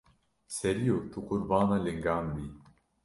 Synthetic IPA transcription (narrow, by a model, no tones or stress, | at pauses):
sɛɾijot̪ʰuqʰuɾbaːnaleŋɡaːnbi